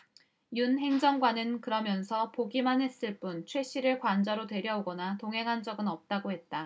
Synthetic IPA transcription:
junɦe̞ŋd͡ʑʌŋɡwanɯnkɯɾʌmjʌnsʰʌpoɡimanɦe̞s͈ɯɭp͈unt͡ɕʰwe̞ɕ͈ʰiɾɯɭkwand͡ʑaɾotwe̞ɾjʌuɡʌnatoŋɦe̞ŋɦand͡ʑʌɡɯnʌp̚t͈aɡohe̞t̚t͈a

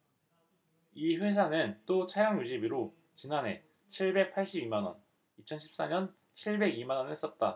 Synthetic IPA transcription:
iɸwe̞s̬ʰanɯnt͈ot͡ɕʰajaŋjud͡ʑibiɾo | t͡ɕinane̞ | t͡ɕʰiɭbe̞k̚pʰaɭɕ͈ibimanwʌ̰n | it͡ɕʰʌnɕʰi̥p̚s͈aɲʌn | t͡ɕʰiɭbe̞ɡimanwʌnhes͈ʌt̚t͈a

